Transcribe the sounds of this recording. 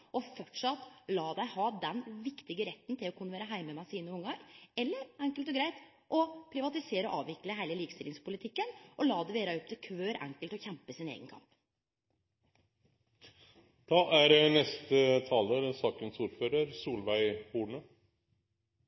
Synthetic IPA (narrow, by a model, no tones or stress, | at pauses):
ʔɔfɔʈʂɑt̪lɑːd̪æɪhɑːd̪ɛnʋɪkt̪ɪɡəɾɛt̪ːn̩t̪ʰɪlɔkʰʉːnːəʋæːɾəɦæɪməmæsiːnəʊŋːəɾɛlːəɾɛŋkəlt̪ɔɡɾæɪt̪ | ʔɔpʰɾɪʋɑt̪ɪseːɾəɔʔɑːʋɪkləhæɪləliːkəst̪ɪlɪŋspʊlɪt̪ʰɪkːənʔɔlɑːd̪ɛʋeːɾɑɔp̚t̪ʰɪkʰʋøːɾʔɛ̰ŋkəlt̪ɔçɛmpəsɪnḛːɡənkʰɑ̰mp | d̪̥ɑːʔæɾnɛst̪ət̪ʰɑːləɾsɑːkənsuːɾføːɾəɾsuːlʋæɪhuːɳə